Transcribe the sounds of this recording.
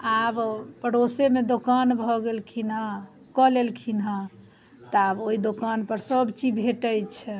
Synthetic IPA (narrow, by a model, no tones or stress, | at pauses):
abpəɽosemed̪okanbʱɔɡelkʰinɦa | kɔlelkʰinɦã | t̪ɔaboid̪okanpəɾsəbt͡ʃibʱeʈəjt͡ʃʰɛ